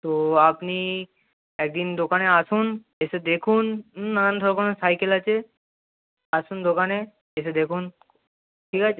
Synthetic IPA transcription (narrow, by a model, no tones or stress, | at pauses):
t̪oapni | eːk̚d̪ind̪okaːneasuːn | esed̪ekʰuːnənə̃nd̪ʱɔɾkonosaːjkelat͡ʃʰe | asund̪okane | es̬ed̪ekʰuːn | ʈʰiːkat͡ʃʰe